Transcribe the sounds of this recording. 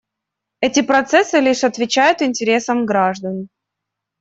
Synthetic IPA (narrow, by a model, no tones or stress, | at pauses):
ɛtʲɪpɾɐt̪sɛsɨlʲiʂɐt̪vʲɪt͡ɕæjʊt̪ɪnʲtʲɪɾʲe̞səmɡɾaʐd̪ən